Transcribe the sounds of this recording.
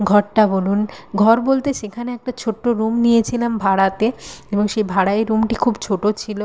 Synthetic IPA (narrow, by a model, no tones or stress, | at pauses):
ɡʱɔʈʈabolunɡʱɔɾbolt̪eʃekʰaneɛk̚ʈat͡ɕʰoʈːoɾumnijet͡ɕʰilambʱaɽat̪eeboŋʃejbʱaɽaeɾːumʈikʰubt͡ɕʰoʈot͡ɕʰilo